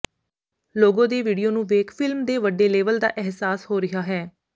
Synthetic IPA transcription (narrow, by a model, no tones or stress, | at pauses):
loːɡõːd̪eːʋiːɖijoːnũːʋeːkfʰɪlmd̪eːʋəɖːeːleːʋəld̪a̰ːʔɛɦsaːshoːɾɪɦaːɦɛː